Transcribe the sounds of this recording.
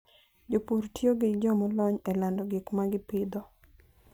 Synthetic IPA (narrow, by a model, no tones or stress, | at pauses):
d͡ʒopuɾtjoɡɪd͡ʒɔmɔlɔɲɛlandɔɡɪkmaɡɪpɪd̪ɔ